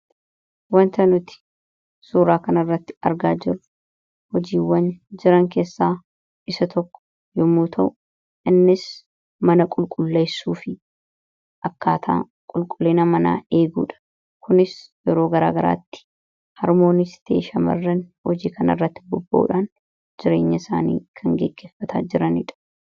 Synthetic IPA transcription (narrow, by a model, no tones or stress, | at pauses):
wɐnt̪ɐnʊt̪ɪ̥ | suːɾaːkɐnɐrːɐt̪ːɪ̥ɐɾɡaːd͡ʒɪrʊ | hɔd͡ʒiːwːɐnd͡ʒɪɾɐŋke̞ːsːaː | ɪsɐt̪ʰɔkːɔ̥ | jɔmuːt̪ʰɐʔʊ | ʔɪnːɪs | mɐnɐkʼʊlkʼʊlːeːsuːfɪ | ʔɐkːaːt̪ʰa̰ː | kʼʊlkʼʊlːeːnɐmɐna̰ːe̞ːɡṵːᶑɐ̥ | kʊnɪsjɛɾo̞ːɡɐɾaːɡɐɾa̰ːt̪ːɪ̥ | hɐɾmo̞ːnɪst̪e̞̰ːʃɐmɐ̰rːɐnhɔd͡ʒiːkɐnɐ̰rːɐt̪ːɪ̥bʊbːɐʔṵᶑaːn | d͡ʒɪɾe̞̰ːɲːɐsa̰ːnḭːkʰɐŋɡeɡːeːfːɐt̪ʰaːd͡ʒɪɾɐnɪ̰ᶑɐ̥